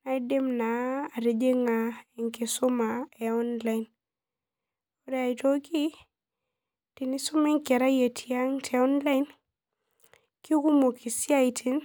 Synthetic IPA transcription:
na˦i˦de˦mnaː˨ɾe˨d͡ʒe˦ŋa˨e˨ŋke˨su˦ma˨ɛ˨ɔ˦nla˦i˨n | o˦ɾɛ˦a˨i˨to˦ki˦ | ti˨ni˦su˦mɛ˦ŋki˨a˨ɾa˦je˨tʰi˨a˦ŋtʰɛ˨ɔ˦nla˦in | ki˦u˦ku˦mo˨kʰi˨si˦a˦i˨tʰi˦n

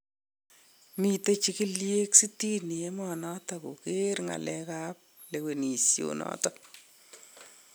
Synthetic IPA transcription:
mi˨te˦t͡ʃi˦ki˦lje˦ksi˦ti˦ni˨e˦mɔnɔ˦ta˨ko˨ke˦ɾŋa̰˨lɛ˦kap̚ | le˨we˨ni˨sjo̰nɔ̰tɔ

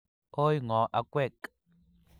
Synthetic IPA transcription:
o˦jŋɔ̃˨ʔa˨kʷwɛ˦˨kʼ

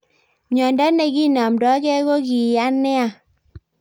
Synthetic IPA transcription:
ɲɔ˨nda˦ne˨ɡi˦nɔ˨mdɔ˨˦kɛ˦ɣo˦ɡi˨a˦nɛ˦a˦˨

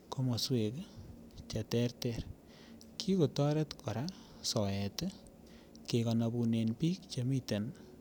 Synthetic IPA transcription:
ko˦mo˨swe˨k | t͡ʃa˨tɛ˦rtɛr | kʰi˦ko˨tɔ˦ɾe˦tkʰɔ˨ɾa˦ | sɔ˨jɛ˨te˦ | ke˨kɔ˨na˨bu˨ne˨npi˦k̚t͡ʃe˦mi˦te˨n

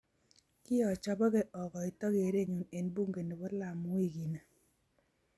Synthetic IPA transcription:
kɪ˦ɔ˨t͡ʃɔ˦bɔ˦ɡe˦ʔɔ˨kɔ˨ɪ˨tɔ˦ɡe˨˦ɾe˦ɲu˨ne˨nbu˦ŋɡe˨ne˨bɔ˦la˨m˦wi˦ɡi˨na˨

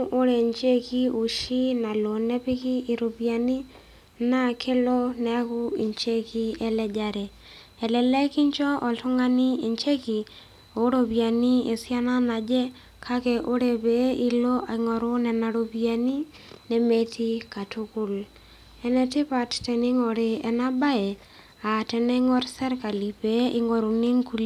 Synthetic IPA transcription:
ʔo˦ɾɛ˨ɲt͡ʃe˦ki˦o˨ʃi˦na˨lo˨nɛ˦pɪ˦kɪ˦i˨ɾo˨pja˨ni˦ | na˦kʰɪ˦lɔ˦nɛ˨˦kʊ˦i˨ɲt͡ʃe˦ki˦ɛ˨lɛ˦d͡ʒa˨ɾɛ˨ | ɛ˨lɛ˨lɛ˦ki˦ɲt͡ʃɔ˦ʔɔ˨ltʊ˦ŋɡa˦ni˦e˨ɲt͡ʃe˦ki˨ | o˨˦ɾo˨pja˨ni˦e˨sja˦na˦na˨d͡ʒɛ˦ | kʰa˦kɛ˨ʔo˦ɾɛ˨pɛi˦lo˦ʔa˨ŋɔ˨ɾʊ˦nɛ˨na˨ɾo˨bia˨ni˦ | nɛ˦me˦ti˦ka˨tʊ˦kʊ˦l | ɛ˨nɛ˨tɪ˦pa˨ttɛ˨nɪ˦ŋɔ˨ɾɪ˨ɛ˨na˦ba˦ɛ˨ | a˨tɛ˨nɛ˦ŋɔ˦ɾsɛ˦ɾka˨li˨peʔɪ˨ŋɔ˨ɾu˨ni˦ŋku˦l

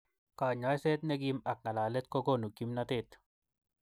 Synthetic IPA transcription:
kaː˨ɲa˨˦jse˦t̪̚ne˦ɡima˨k̚ŋa˨laː˨le˦t̪̚ko˦ɡo˦nu˨ki˦mnat̪e˦t̪

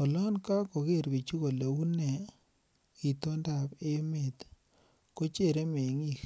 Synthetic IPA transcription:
ɔ˨lɔ˦nka˦ko˨ɣe˦˨ɾbe˨t͡ʃu˦ko˨le˨u˦ne˨ | i˨t̪o˦nda˨pe˦me˨t̪ | ko˦t͡ʃe˦˨ɾe˦me˨ŋi˦˨k

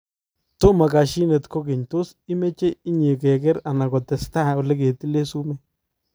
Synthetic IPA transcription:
to˦ma˨ka˨ʃi˦ne˨tko˦kɪ˨ɲto˦s | i˦me˦t͡ʃe˦i˦ɲe˨kɛ˨kɛ˦ɾa˨na˨kɔ˨tɛ˨sta˦˨ɔ˨le˦ke˨ti˦le˦su˦mɛ˦

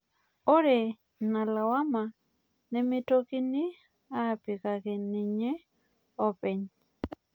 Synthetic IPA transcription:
ɔ˦ɾɛ˨ | na˨la˨wa˦ma˨ | nɛ˦mɪ˦to˦kɪ˦nɪ˦ | a˦pɪ˨ka˨kɪ˨nɪ˨ɲe˦ | ɔ˦pɛ˨ɲ

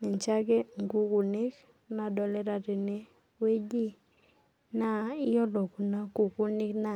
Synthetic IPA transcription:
ne˨ɲt͡ʃa˦ɡe˦ŋɡu˦ku˨ne˦k | na˨dɔ˨lɛ˦ɾa˨te˨ne˦ | we˦d͡ʒi˦ | na˦ɪ˦jɔ˦dɔ˨ku˨na˦ku˨ku˦nɪ˦kna˦˨

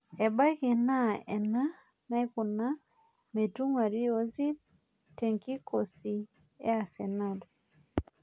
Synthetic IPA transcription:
ɛ˨ba˦ki˨na˦ɛ˨na˦ | na˦jkʊ˨na˦ | me˨tu˦ŋwa˨ɾi˦ɔ˦zi˦ | tɛ˨ŋki˦kʰɔ˨si˨ | ɛ̰˦a˨sɛ˨na˦˨dɔ˨

